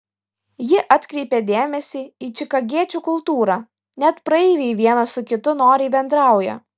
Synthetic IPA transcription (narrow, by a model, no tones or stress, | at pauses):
jɪʔɐt̪ʲkɾʲɛɪpʲed̪ʲeːmʲɛsʲiːiːt͡ʃʲɪkɐɡʲiɛt͡ʃʲuːkʊlˠt̪uːɾɑ | nʲɛt̪pɾɐɛːʋʲeʋʲiɛnɐsʊkʲɪt̪ʊnoːɾʲɛɪbʲɛnd̪ɾɑˑʊjɛ̰